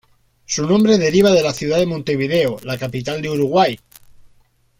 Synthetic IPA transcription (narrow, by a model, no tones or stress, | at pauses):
sunõmbɾe̞ðe̞ɾiβ̞að̞e̞laθjuðaðemõnt̪e̞β̞iðeolakapit̪ald̪euɾuɣ̞waj